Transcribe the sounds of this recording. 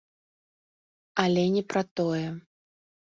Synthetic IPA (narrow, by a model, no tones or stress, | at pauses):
alʲɛnʲɛpɾɐt̪ɔjɛ